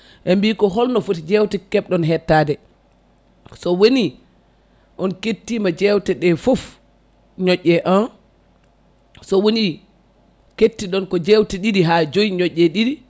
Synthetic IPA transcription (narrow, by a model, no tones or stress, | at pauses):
ʔɛmbikɔɦɔlnɔfutid͡ʒɛwtɛkɛɓɗɔnɦɛtːadɛ | sɔwoni | ʔɔnketːiːmad͡ʒɛwtɛɗɛfof | ɲɔʔːɛʔan | sɔwoni | ketːiɗɔnkɔd͡ʒɛwtɛɗidiɦad͡ʒojiɲɔʔːɛɗiɾi